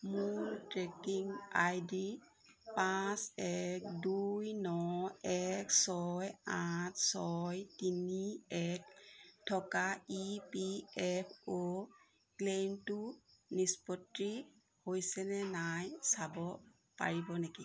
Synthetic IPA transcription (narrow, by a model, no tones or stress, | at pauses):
multɹekiŋa̰jdi | pasɛk̚dujnɔɛksɔjatʰsɔjtiniɛk̚tʰːɔkaipiɛpʰo | klentunispɔtɹi | hojsɛnɛnajsabɔ | pa̰ɹibɔneki